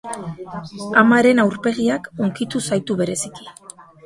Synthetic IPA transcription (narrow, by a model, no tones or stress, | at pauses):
amaɾe̞nawɾpe̞ɣ̞iako̞ŋkit̪usajt̪uβe̞ɾe̞siki̥